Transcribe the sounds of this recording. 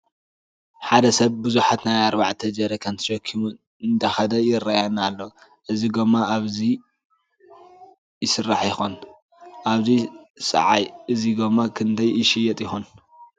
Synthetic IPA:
ħad̪ɐsɐβbɨzuħat̪najaɾbaʕt̪ʰɐd͡ʒɐɾɐkʰɐnt̪ʰɨ̥ʃɐkʰːimu | ɨnd̪ɐxɐd̪ɐjɪrːajanalːo | ʔɨziɡomːaʔaβzi | jɪsɨrːaħjɪxon | ʔaβzisʼɐ̰ʕajʔɨziɡomːakʰɨnd̪ʰɐjɪʃɪjːɛt̪ʼjɪxon

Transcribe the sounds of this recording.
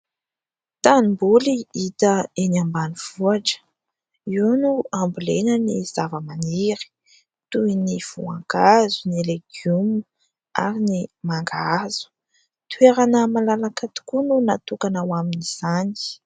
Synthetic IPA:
t̪animbuliit̪əenambaniv̥uaʈ͡ʂə̥ | unuambulenəniz̥avəmaniɾi̥ | t̪uiniv̥ua̰ŋɡazunileɡ̥jumu | a̰ɾinimaŋɡaz̥u̥ | t̪ueɾanəmalalakat̪u̥kununat̪ukanawaminiz̥ani̥

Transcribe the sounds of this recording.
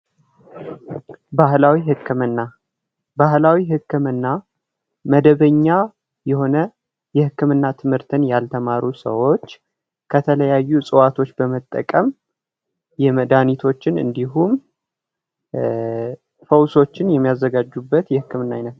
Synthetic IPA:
bahlawiɦɨkːɨmɨnːa | bahlawiɦɨkːɨmɨnːa | məd̪əβəɲːa | jɛho̞nə | jɛhɨkːɨmɨnːat̪ʰɨmhɨɾt̪ʰɨnjalt̪ʰəmaɾusə̰wo̞t͡ʃː | kʰət̪ʰələjajːusʼɨwat̪ʰo̞t͡ʃːbəmət̪ʼːə̰kʼəm | jɛməd̪anit̪ʰo̞t͡ʃːɪnɨ̰nd̪iɦum | fəwso̞t͡ʃːɪnjɛmːijazːəɡad͡ʒːubːət̪jɛhɨkːɨmɨnːajnət̪

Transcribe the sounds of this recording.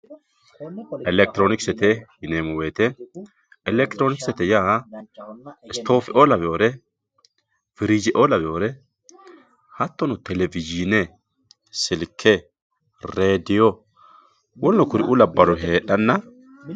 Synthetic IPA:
ʔɛlɛk̚t̪ɪɾoːnɪksɛt̪ɛjɪneːmʊweːt̪ɛ | ɛlɛk̚t̪ɪɾoːnɪksɛt̪ɛjaː | ɪst̪oːfɪʔolɐbɛʔoːɾɛ | fɪɾɪd͡ʒɪʔolɐbɛʔoːɾɛ | hɐt̪ːɔnʊt̪ɛlɛvɪd͡ʒinɛ | sɪlkʰːɛ | ɾeːd̪ɪjɔ | wɔnːɔkʊɾɪʔʊlɐbːɐɾʊɦe̞ːᶑɐnːɐ

